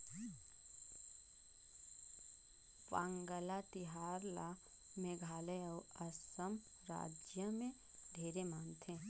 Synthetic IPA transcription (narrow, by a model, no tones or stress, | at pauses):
ʋãːŋɡəlat̪ɪɦaːɾla | mẽɡʱaːleəwɐsəm | ɾa̰ːd͡ʒjəmẽ | ɖʱeːɾemaːnt̪ʰẽ